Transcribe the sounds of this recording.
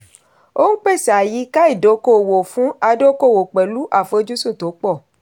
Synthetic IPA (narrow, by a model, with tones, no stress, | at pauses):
o˦ŋ̩˦k͡pe˦˨sa˨ji˨˦ka˦i˦˨do˨˦ko˦˨wo˨fũ˦a˧do˦ko˦˨wo˨k͡pe˨lu˦ʔa˦˨fe˧˦d͡ʒu˦sũ˦˨to˨˦k͡pɔ˦˨